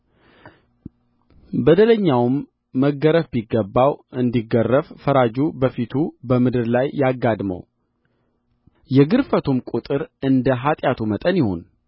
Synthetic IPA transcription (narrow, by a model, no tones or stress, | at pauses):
bəd̪ələɲːawmː | əɡəɾəfbiɡːəbːawɨnd̪iɡːərːəffəɾad͡ʒubəfit̪ʰubəmɨd̪ɨɾlajːaɡːad̪mə̰w | jɛɡɨɾfət̪ʰumkʼut̪ʼɨɾɨnd̪əɦat̪ʼjat̪ʰumət̪ʼənjɪho̞̰n